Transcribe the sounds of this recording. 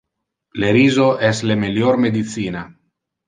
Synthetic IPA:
leɾiːzoɛslemeljoɾmed̪it̪siːna

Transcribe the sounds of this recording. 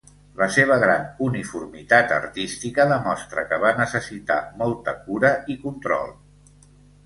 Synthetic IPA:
ləseβ̞əɣ̞ɾanunifurmit̪at̪ə̰ɾt̪ist̪ikəðəmɔst̪ɾəkəβanəsəsit̪a̰mɔlˠt̪əkuɾəʔikunt̪ɾɔ̰lˠ

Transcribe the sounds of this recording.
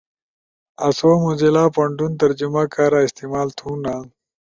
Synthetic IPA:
ɐsoːmuzilaːpɐɳɖunt̪̬ɐɾd͡ʑumakaːɾaɪst̪imaːlt̪ʰũna

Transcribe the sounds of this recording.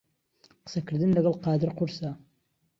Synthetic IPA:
qə̥sɐkɨɾd̪ɨnlɐɡɐlqɑːd̪əɾqʊɾsa

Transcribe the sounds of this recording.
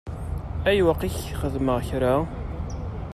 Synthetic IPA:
æjwəqːiçχəðməʁçɾa

